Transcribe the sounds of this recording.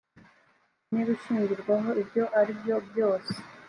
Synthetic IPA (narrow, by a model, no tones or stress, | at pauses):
niβiʃiːɲɟiɾɡwaɦo̞ibjo̞ʔaɾibjo̞bjo̞ːse̥